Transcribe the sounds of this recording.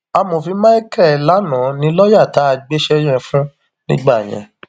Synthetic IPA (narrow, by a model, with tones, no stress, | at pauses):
a˧mo˨fi˧˦ma˦i˦kɛ˦˨la˨˦nã˨˦nĩ˧˦lɔ˦ja˦˨ta˨˦˧ɡ͡be˦ʃɛ˦j̃ɛ̃˧fũ˦ | nĩ˦ɡ͡ba˦˨j̃ɛ̰̃˨